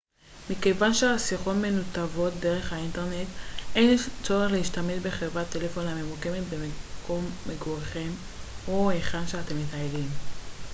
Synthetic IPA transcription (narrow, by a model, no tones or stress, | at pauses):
mike̞vanʃeasiχo̞tme̞nutavo̞t̚de̞ʁe̞χhainte̞ʁne̞t̪ʔejnt͡so̞ʁe̞χleiʃtame̞ʃbe̞χevate̞lefo̞name̞muke̞me̞tbemko̞mːeɡoʁeχem | oeχanʃeate̞mːitaelim